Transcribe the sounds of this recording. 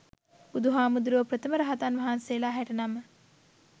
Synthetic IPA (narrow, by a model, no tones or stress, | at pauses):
ud̪uɦaːmud̪uɾuʋəpɾət̪əməɾəɦat̪anʋɐɦansejlaːɦæʈənamə